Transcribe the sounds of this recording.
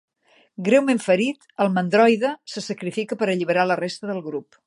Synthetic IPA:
ɡɾewmeɱfəɾit̪əlˠmənd̪ɾɔjðəsəsəkɾifikəpəɾəʎiβəɾalərest̪əðəlˠɣɾup

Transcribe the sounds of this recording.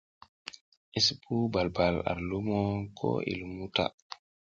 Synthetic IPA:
ʔispʰubalbala̰ɾlumɔkʰɔ̰ʔḭlmuta̰

